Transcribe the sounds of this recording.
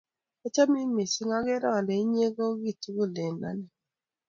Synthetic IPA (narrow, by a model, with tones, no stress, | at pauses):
e˦t͡ʃa˦mi˦me˨si˦ŋa˦ɡɪ˦ɾɔ˦˨lɛ˨˦ɲe˦ɡo˦ɡi˦˨tu˦ɡo˦˨le˨na̰˨nɛ˨